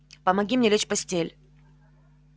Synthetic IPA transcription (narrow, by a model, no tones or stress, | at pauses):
pəmɐɡʲimnʲelʲet͡ɕpɐsʲtʲelʲ